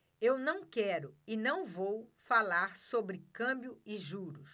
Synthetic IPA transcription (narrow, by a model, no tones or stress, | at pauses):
ewnɐ̃w̃kɛɾʊɪnɐ̃w̃vowfalaɾsobɾɪkɐ̃bjʊɪʒuɾʊs